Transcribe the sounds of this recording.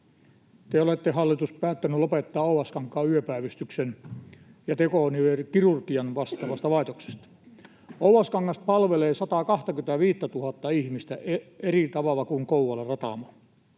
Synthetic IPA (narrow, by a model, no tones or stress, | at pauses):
t̪eolet̪ːehɑlːit̪uspæːt̪ːænylopet̪ːɑːouʋɑskɑŋkːˑɑːyøpæˑiʋist̪yksen | jɑt̪ekoniʋerkirurkiɑnʋɑst̪ɑʋɑst̪ɑʋɑˑet̪okse̥st̪ɑ̥ | ouʋɑskɑŋːɑst̪̚pɑlʋeleːsɑt̪ɑkɑht̪ɑkyt̪æʋiːt̪ːæt̪uhɑt̪ːɑihmist̪æerit̪ɑʋɑlːˑɑkuŋkouwɑlːˑerɑt̪ɑ̰mo